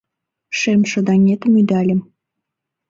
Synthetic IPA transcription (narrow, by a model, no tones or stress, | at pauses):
ʃemʃə̆d̪ɑŋet̪əmyd̪ælʲə̆m